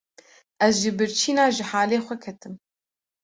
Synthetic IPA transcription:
ɛzʒɨbɨɾt͡ʃʰiːnaːʒɨħaːleːxʷɛkʰɛt̪ɨm

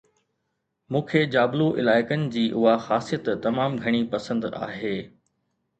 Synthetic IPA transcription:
mũːkʰed͡ʑaːbluʔɪ̰laːɪkənɪ̆d͡ʑiːʔʊɦaxaːsijət̪t̪ɐmaːmɡʱɐɽ̃ipɐsə̃nd̪a̰ːɦeː

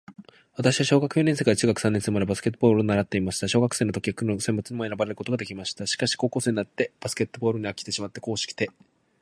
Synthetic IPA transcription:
β̞at̪aɕiβaɕo̞ːɡakɯ̟̥joːnʲẽ̞s̬ekaɾat͡ɕɨːɡakɯ̟̥sãnːẽsemaɾabasɨ̥ke̞t̪ːobo̞ːɾɯonaɾat̪ːe̞imaɕi̥t̪aɕo̞ːɡakɯ̟̥se̞ːnot̪o̞kʲiakɯ̟nosembɯ̟t͡sɨɲ̟imo̞e̞ɾabaɾe̞ɾɯ̟ko̞t̪o̞ɡad̪e̞kʲimaɕi̥t̪aɕi̥kaɕi̥ko̞ːko̞ːseɲinat̪ːe̞b̥asɨ̥kʲe̞t̪ːobo̞ːɾɯ̟ɲ̟iakʲi̥t̪e̞ɕimat̪ːe̞ko̞ːɕi̥kʲi̥t̪e̞

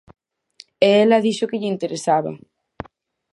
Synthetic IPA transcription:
eelɐðiʃʊkɪʎɪːnt̪eɾesaβɐ̰

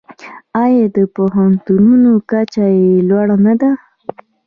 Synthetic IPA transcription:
ajad̪əpoɦant̪ununokat͡ʃajelwaɽanad̪a

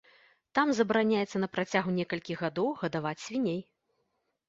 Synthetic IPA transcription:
t̪amzɐbɾanʲajɛt̪sːɐnɐpɾat͡sʲaɣunʲɛkɐlʲkʲiɣad̪ɔwɣɐd̪avat͡sʲsʲvʲinʲej

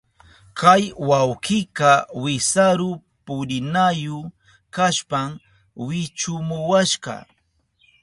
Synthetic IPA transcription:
kʰajwawkɪkɑwɪsaɾʊ | pʊɾɪnajʊ | kaʃpam | wɪt͡ʃʊmʊwaʃɢɑ̰

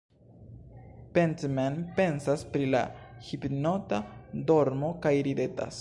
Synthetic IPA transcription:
pentmenpe̞nsaspɾila̰hipno̞tado̞ɾmo̞kajɾide̞ta̰s

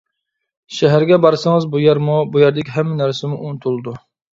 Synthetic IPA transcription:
ʃɛɦæɾɡʲɛbɑɾsɨŋɨzbujɛɾmubujɛɾd̪ɪkʲiɦɛmːɛnæɾsɪmuʔunɨt̪ʰulˠɨd̪u

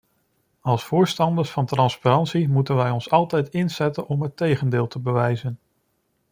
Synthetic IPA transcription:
ɑlˠsfʊːɹstɑndəɹsfɑntrɑnspaɾɑntsimutənʋɛjɔnsɑlˠtɛjtɪnzɛtənʔɔmɦətejχəndɪːlˠtʰəbəʋɛjzən

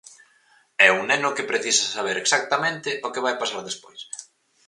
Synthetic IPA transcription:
ɛuŋnenʊkɪpɾeθisasaβ̞eɾeksak̚t̪amẽnt̪ɪʔokɪβajpasaɾðespojs

